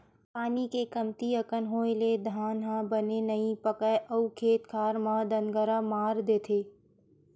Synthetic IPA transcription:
paːnikekəmt̪iəkənɦõːeled̪ʱaːnɦãbənenɐĩpəkəeʔɐukʰeːt̪kʰaːɾmãd̪ənɡəɾamaːɾd̪eːt̪ʰeː

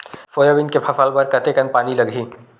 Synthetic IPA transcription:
foːjabɪnkepʰɐfaːlbɐɾkɐt̪ekɐnpaːnilɐɡʱiː

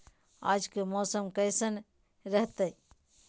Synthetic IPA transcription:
a̰d͡ʒkemɔːsəmkəɪsən | ɾəɦt̪əj

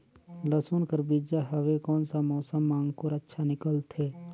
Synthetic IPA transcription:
lɐsuːnkəɾbiːd͡ʒaɦɐʋekɔːnsamɔːsəmːãːŋɡpʊɾətːʃʰanɪkəlt̪ʰeː

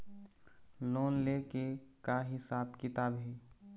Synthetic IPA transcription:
loːnlekekaɦɪsaːbkɪt̪aːbɦiː

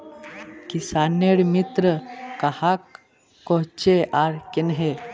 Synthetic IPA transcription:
kisaneɽmit̪ɾəkahakː | ɔɦt͡ɕeʔaɾkenɦe

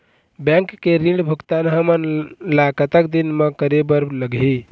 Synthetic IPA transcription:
bɛ̃ŋkːeɾĩɖbʱukt̪anɦəmənlakət̪ək̚d̪inmekəɾebəɾləɡɦi

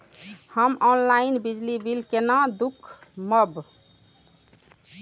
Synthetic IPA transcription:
həmɔnlainbid͡ʒlibilkenãd̪ukʰməb

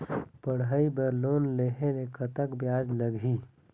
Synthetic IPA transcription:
pəɽɦəibəɾloːnleɦenekət̪əkbjaːd͡ʒləɡʱi

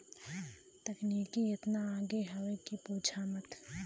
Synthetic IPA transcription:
t̪ɐkniːkiɪt̪naaːɡeɦɐʋekipuːd͡ʒʰʱaːmət̪

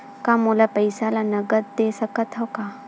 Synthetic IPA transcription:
kamolapəjsalanəɡət̪̚d̪esəkət̪ɦɔka

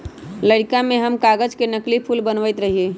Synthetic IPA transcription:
ləɽkamẽɦəmkaɡəd͡ʒkenəklipʰulbənʋəjt̪ɾəɦie

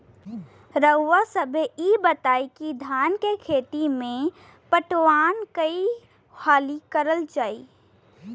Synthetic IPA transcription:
ɾəʋasəbʱeibət̪aːikid̪ʱaːnkekʰeːt̪imẽ | pəʈʋaːnkəi | haːlikəɾəld͡ʒaːi

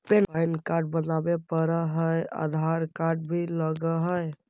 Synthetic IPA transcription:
penajnkaɾɖ̚bənabepəɾəɦəja̰d̪ʱaɾkaɾɖ̚bʱiləɡəɦəj

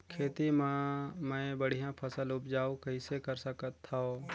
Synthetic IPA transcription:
kʰeːt̪im̃mɛ̃bəɽ̤ijãpʰəsəlʊpd͡ʒaːũkəĩsekəɾsəkət̪ʰːao

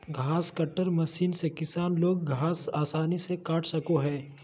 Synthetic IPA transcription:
ɡʱaːskɐʈːəɾmɐʃiːnsekɪsaːnloːɡ̚ɡʱaːsaːsaːnisekaːʈʰsɐkoɦɛː

